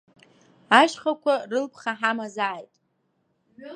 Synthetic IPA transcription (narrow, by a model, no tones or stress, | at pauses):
aʃχakʷʰarɨlpʰχaħamazaʕajtʼ